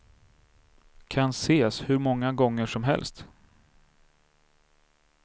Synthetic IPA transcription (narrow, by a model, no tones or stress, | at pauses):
kʰanseːshɵɾmɔŋːaɡɔŋːəʂɔmɦɛ̰lst̪